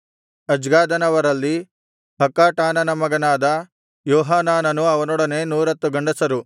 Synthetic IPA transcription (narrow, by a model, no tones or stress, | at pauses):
ɐd͡ʒɡaːd̪ɐnɐʋɐɾɐlːi | ɦɐkaːʈaːnɐnɐmɐɡɐnaːd̪ɐ | jɔːɦaːnaːnɐnuɐʋɐnɔɽɐne̞nuːɾɐt̪ːuɡɐɳɖɐsɐɾu